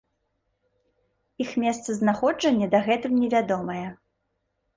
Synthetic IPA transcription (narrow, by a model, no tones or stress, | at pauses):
ixmʲɛst̪sɐznaxɔd͡ʐɐnʲːɐd̪ɐɣɛt̪ɨmnʲɛvʲad̪ɔmɐjɛ